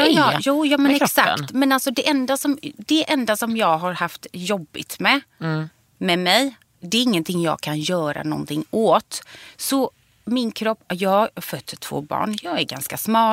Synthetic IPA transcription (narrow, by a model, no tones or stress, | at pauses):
juːjɑːmɛnɛɾksak̪t̪mɛnalsɔd̪ɛʔɛnd̪asɔmd̪ɛʔɛnd̪asɔmjɑːɡɦaɾhaft̪jɔbːɪt̪mɛ | mɛmɛj | d̪ɛɾɪŋːənt̪ʰɪŋːjɑ̰ːɡ̚kʰanjœːɾa̰nɔ̰nt̪ʰɪŋːoːt̪sɔ | mɪnkʰɾɔpːjɑːfœt̪ʰːt̪ʰv̥o̰ːbɑ̰ːɳjɑːɡæɾɡanskasmɑː